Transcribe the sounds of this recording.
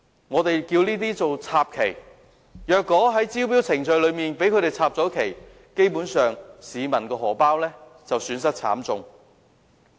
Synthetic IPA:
ŋɔː˨˧t̪e˨jkiː˧wniː˥t̪̬iː˥t͡so˨wt͡sʰaː˧p̚kʰe˨˩j | jœː˨kːɔː˨˥ɦɐ˨˥jt͡siː˥wp̬iː˥wt͡sʰɪ˨˩ŋt͡ʃɵ˧ɥlɵ˨˧ɥmiː˨npe˨˥kʰɵ˨˧ɾe˨jt͡sʰaː˧p̚t͡sɔː˨˥kʰe˨˩j | ke˥jpuː˨˥nsœː˨ŋsiː˨˧mɐ˨˩nkɔː˧ɦɔː˨˩paː˥wlɛː˥ | t͡sɐ˨wsyː˨˥nsɐ˥t̚t͡sʰa̰ː˨˥mt͡sʊ˨ŋ

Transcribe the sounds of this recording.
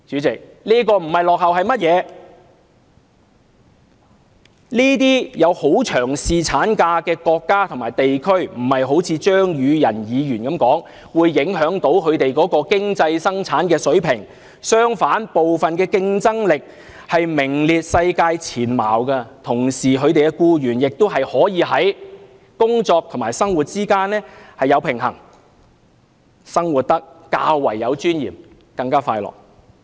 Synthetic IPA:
t͡ʃyː˨˥t͡sɪ˨k̚liː˥kɔː˧m̩˨˩hɐ˨jlɔː˨k̚hɐ˨whɐ˨jmɐ˥t̚jɛː˨˧ | niː˥t̪̬iː˥jɐ˨˧who˨˥wt͡ʃʰœː˨˩ŋsiː˨t͡sʰaː˨˥nkaː˧kɛː˧kɔː˧kːaː˥t̪ʰʊ˨˩ŋmaː˨˩jt̪e˨jkʰɵ˥ɥm̩˨˩hɐ˨jɦo˨˥wt͡sʰiː˨˧t͡ʃœː˥ŋjyː˨˧jɐ˨˩njiː˨˧jyː˨˩nkɐ˨˥mkɔː˨˥ŋ | wuː˨˧jːɪ˨˥ŋɦœː˨˥ŋt̪o˨˥wkʰɵ˨˧ɥt̪e˨jkɔː˨˥kɔː˧kɪ˥ŋt͡sɐ˧jsɐ˥ŋt͡sʰaː˨˥nkɛː˧sɵ˨˥ɥpʰɪ˨˩ŋ | sœː˥ŋfaː˨˥npo˨wfɐ˨nkɛː˧kɪ˧ŋt͡sɐ˥ŋlɪ˨k̚ | hɐ˨jmɪ˨˩ŋliː˨˧t̚sɐ˧jkaː˧jt͡sʰiː˨˩nma̰ː˨˩wɡɐ˧t̪ʰʊ˨˩ŋsiː˨kʰɵ˨˧ɥt̪e˨jkɛ˧kuː˧jyː˨˩njɪ˨k̚t̪o˥wɦɐ˨jhɔː˨˥jiː˨˧ɦɐ˨˥j | kʊ˥ŋt͡sɔː˧k̚t̪ʰʊ˨˩ŋmaː˨˩jsɐ˥ŋwuː˨t̚t͡siː˥kaː˥nlɛː˥hɐ˨jɐ˨˧wpʰɪ˨˩ŋɦɐ˨˩ŋ | sɐ˥ŋwuː˨˩t̚t̪ɐ˥k̚ka̰ː˧wːɐ˨˩jːɐ˨˧wt͡ʃyː˥njḭː˨˩m | kɐ˧ŋkaː˥faː˧jlɔ̰ː˨˩k̚

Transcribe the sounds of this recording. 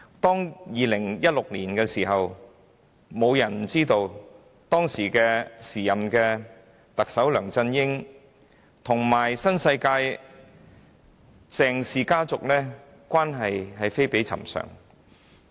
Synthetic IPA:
t̪ɔː˥ŋjiː˨lɪ˨˩ŋjɐ˥t̚lʊ˨k̚liː˨˩nkɛː˧siː˨˩ɦɐ˨w | mo˨˧wjɐ˨˩nm̩˨˩t͡siː˥t̪o˧w | t̪ɔː˥ŋsiː˨˩kɛː˧siː˨˩jɐ˨mkɛː˧ | t̪ɐ˨k̚sɐ˨˥wlœː˨˩ŋt͡sɐ˧njɪ˥ŋ | t̪ʰʊ˨˩ŋmaː˨˩jsɐ˥nsɐ˧jkaː˧j | t͡sɛː˨˧ŋsiː˨˧kaː˥t͡sʊ˨k̚lɛː˥ | kʷaː˥nɦɐ˨jɦɐ˨jfe˥jpe˨˥jt͡sʰɐ̰˨˩msœ̰ː˨˩ŋ

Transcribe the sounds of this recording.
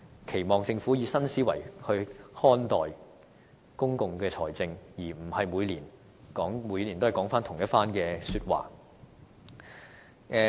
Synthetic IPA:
kʰe˨˩jmɔː˨ŋt͡sɪ˧ŋfuː˨˥jiː˨˧sɐ˥nsiː˨˥wɐ̰˨˩jhɵ˧ɥhɔː˥nt̪ɔː˨j | kʊ˥ŋkʊ˨ŋkɛː˧t͡sʰɔː˨˩jt͡sɪ˧ŋjiː˨˩m̩˨˩hɐ˨jmuː˨˧liː˨˩n | kɔː˨˥ŋmuː˨˧jli˨nt̪o˥hɐ˨˩kɔː˨˥ŋfaː˥nt̪ʰʊ˨˩ŋjɐ˥tfaː˥nkɛː˧syː˧t̚wa̰ː˨˩ | ʔɛ˧

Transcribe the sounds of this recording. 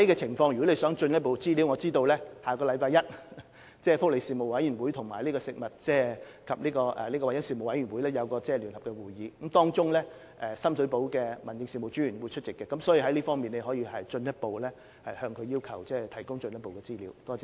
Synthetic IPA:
ɐ˦˥jkɛː˧t͡sʰɪ˨˩ŋfɔː˧ŋjy˨˩kɔ˨˥ne˨˧jsœː˨˥ŋt͡ʃɵ˧njɐ˥t̚po˨˧wt͡siː˥li˨˥wŋɔː˨˧t͡siː˥t̪o˧wlɛː˥haː˨kɔː˧lɐ˧˥jpaː˧jɐ˥t̚ | t͡sɛː˥˩fʊ˥k̚le˨˧jsiː˨mo˨˩wɐ˨˥jy˨˩nwuː˨˥jt̪ʰʊ˨˩ŋmaː˨˩jliː˥kɔː˧sɪ˨k̚mɐ˨t̚t͡sɛː˥˩ | kʰɐ˨p̚liː˥kɔː˧ʔɛ̰˨liː˥kɔ˧wɐ˨˩jɐ˥nsiː˨˩mo˨˩wɐ˨˥jɥy˨˩nwuː˨˥jlɛː˥jɐ˨˧wkɔː˧t͡sɛː˥˩lyː˨˩nhɐ˨pkɛ˧wuː˨˩jjiː˨˧kɐ˨˦mt̪ɔː˥ŋt͡sʊ˥ŋlɛ˥ | ʔɛ˨sɐ˥msɵ˨˥po˨˥wkɛː˧mɐ˨˩nt͡sɪ˧ŋsi˨˧mo˨˩wt͡ʃy˨˥yː˨˩nwu˨˧jt͡ʃʰɵ˥t̚t͡ɕɪ˨kːɛː˧kɐ˨˥msɔː˨˥jiː˧ɦɐ˥jliː˥fɔː˥ŋmiː˨ne˧jɦɔː˨˥jiː˧hɐ˨jt͡ʃɵ˧njɐ˥t̚po˨wlɛː˥ | hɐ˨jhœː˧ŋkʰɵ˧ɥjiː˥wkʰɐ˨˩wt͡sɛː˥˩t̪ʰɐ˨˩jkʊ˥ŋt͡ʃɵ˧njɐ˥t̚po˨wkɛː˧t͡siː˥liː˨˥wt̪ɔː˥

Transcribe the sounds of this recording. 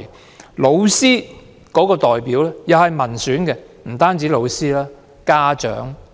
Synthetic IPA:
lo˨˧wsiː˥ | kɔː˨˥kɔː˧t̪ɔː˨jpiː˨˥wlɛː˥jɐ˨whɐ˨jmɐ˨˩nsyː˨˥nkɛ˧ | m̩˨˩t̪aː˥nt͡siː˨˥lo˨˧wsiː˥laː˥ | kaː˥t͡ʃœ̰ː˨˥ŋ

